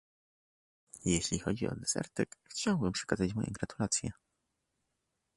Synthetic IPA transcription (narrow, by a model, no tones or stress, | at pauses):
jeɕlʲixɔd͡ʑiɔ̰d̪ɛzɛ̰ɾt̪ɛkxt͡ɕawbɘmpʂɛ̥kazat͡ɕmɔjʔɛ̰ɡɾat̪ulat̪sʲjɛ̰